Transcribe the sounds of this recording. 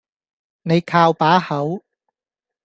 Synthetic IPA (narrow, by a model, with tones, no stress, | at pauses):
ne˨˧jkʰaː˧wpaː˨˥hɐ˨˥w